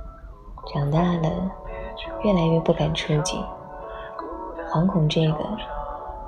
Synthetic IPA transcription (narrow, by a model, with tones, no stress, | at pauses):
ʈ͡ʂɑ˨˩ŋt̪a˥˩lə̰˩ | ɥɛ˥˩la˧˥ɪɥɛ˥˧pu˥˩ka˨˩nʈ͡ʂʰɤ˥t͡ɕḭ˥˩ | xwɑ˧˥ŋkʰʊ˨˩ŋʈ͡ʂɤ˥˩ɡə̰˩